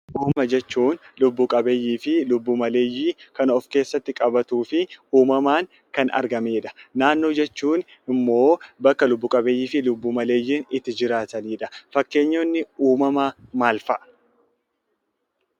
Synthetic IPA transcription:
ʔuːmɐd͡ʒɛt͡ʃːuːnlʊbːʊkʼɐbe̞ːjːiːfɪlʊbːuːmɐle̞ːjːiːkɐnɔfke̞ːsːɐt̪ːɪkʼɐbɐt̪uːfɪuːmɐmaːŋ | kɐnɐ̰ɾɡɐmeːᶑɐ̥naːnːo̞ːd͡ʒɛt͡ʃːuːn | ɪmːo̞ːbɐkːɐlʊbːukʼɐbe̞ːjːiːfɪlʊbːuːmɐle̞ːjːiːnɪt̪ːɪd͡ʒɪɾaːt̪ɐniːᶑɐ̥fɐkːe̞ːɲːoːnːɪuːmɐmamaːlfɐʔɐ

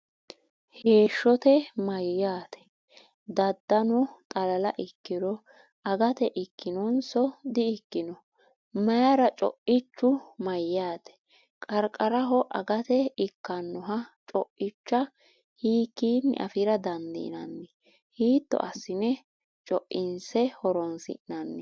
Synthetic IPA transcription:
he̞ːʃːɔt̪ɛmɐjːaːt̪ʰɛ̥ | d̪ɐd̪ːɐnɔt̪ʼɐlɐlɐ̰ʔɪkːɪɾɔ | ɐɡɐt̪ɛʔɪkːɪnɔnsɔd̪ɪɪkːɪnɔ | mɐjɐɾɐt͡ʃʼɔ̰ʔɪt͡ʃːʊmɐjːaːt̪ɛ̥ | kʼɐɾkʼɐɾɐɦɔʔɐ̰ɡɐt̪ɛɪkːɐnːɔɦɐt͡ʃʼɔʔɪt͡ʃːɐ | hiːkːiːnːɪ̰ʔɐ̰fɪɾɐd̪ɐnd̪ɪ̰ɪ̰nɐnːɪ | hiːt̪ːɔ̰ʔɐsːɪnɛ | t͡ʃʼɔʔɪnsɛhɔɾɔnsɪ̰ʔɪnɐnːɪ

